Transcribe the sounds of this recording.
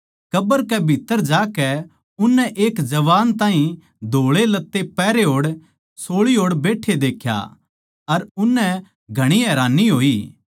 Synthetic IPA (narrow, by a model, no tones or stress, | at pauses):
kɐbəɾkɛbʱɪt̪ːəɾd͡ʒaːkɛ | ʊnːɛ̃ʔeːkd͡ʒɐʋaːnt̪ãːɦĩ | d̪ʱoːɭelɐt̪ːepɛːɾeɦoːɽ | soːɭiɦoːɽbeːʈʰed̪eːkʰja̰ | ɐɾʊnːɛ̃ | ɡʱɐɽ̃iɦɛːɾaːnːiɦoːiː